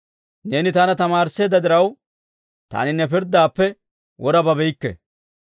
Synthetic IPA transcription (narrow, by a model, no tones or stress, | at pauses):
ne̞ːnɪt̪ɐnɐt̪ɐmaːɾsːe̞ːd̪ɐd̪ɪɾɐw | t̪a̰ːnɪnɛpɪɾd̪aːpːɛ | wʔɔɾɐbɐbɛjkːɛ̰